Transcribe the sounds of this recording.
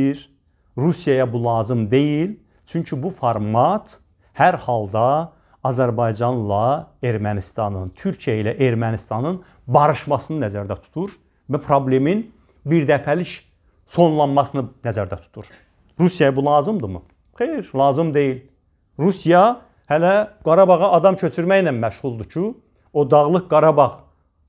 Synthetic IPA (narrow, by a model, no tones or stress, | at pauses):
ɾ | ɾusjɑjɑbulˠɑːzɯmd̪e̞jil | t͡ʃʰyɲcʰybufɑɾmɑt̪ʰ | hæɾhɑlˠd̪ɑ | ɑzæɾbɑjd͡ʒɑnlˠɑeɾmænist̪ɑnɯnt̪ʰyɾcʰijæilæʔe̞ɾmænist̪ɑnɯn | bɑɾɯʃmɑsɯnɯnæzæɾd̪æt̪ʰu̥t̪ʰuɾ | væpʰɾo̞ble̞min | biɾd̪æfæliʃ | so̞nlˠɑnmɑsɯnɯnæzæɾd̪æt̪ʰu̥t̪ʰuɾ | ɾusjɑjbulˠɑːzɯmd̪ɯmɯ̰ | χejiɾlˠɑːzɯmd̪e̞jil | ɾusijɑ | hælæɡ̥ɑɾɑbɑʁɑʔɑd̪ɑmcʰø̞t͡ʃʰyɾmæjnænmæʃʁulˠd̪ut͡ʃʰy | od̪ɑʁlˠɯk̚ɡɑɾɑbɑʁ